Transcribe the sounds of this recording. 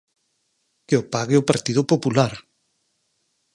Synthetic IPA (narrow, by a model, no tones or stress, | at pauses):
keopaɣɪʊpaɾt̪ið̞ʊpopulaɾ